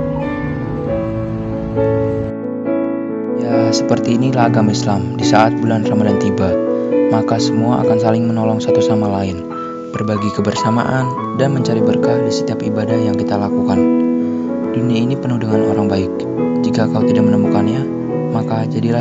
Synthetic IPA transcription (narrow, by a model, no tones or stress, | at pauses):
jasəpərt̪iːnilaɦaɡamislamdisaʔat̪̚bulanramadant̪ibamakasəmuaʔa̰kansalɪŋmənolɔŋsat̪usamalaɪn | b̥ərbaɡikəbərsama̰ʔan | danməɲt͡ʃaɾibərkadisət̪iapibadahjaŋkit̪alakukan | d̥uniainipənuhdəŋanoɾaŋbaɪk̚ | d͡ʒikakaut̪idak̚mənəmukanɲa | makad͡ʒadila